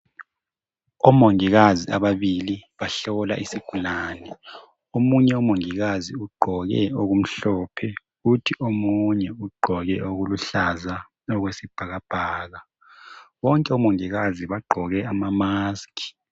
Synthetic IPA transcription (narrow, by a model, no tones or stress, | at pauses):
ɔmoŋiɣazia̰βaβiliβaɬɔla̰ʔisiɡ̥ʱulaːnɛ | omuɲɛumoŋiɣaziuɡ͡ǃʱɔɣɛ̰oɣum̩ɬɔːpʰɛ | ɣutʰiʔomuɲɛuɡ͡ǃʱɔɣɛoɣuluɬaza | ɔɣwesib̥ʱaɣab̥ʱaːɣa | wɔŋkʼɛɔmoŋiɣaziβaɡ͡ǃʱɔɣɛʔamamaːskʰʼi̥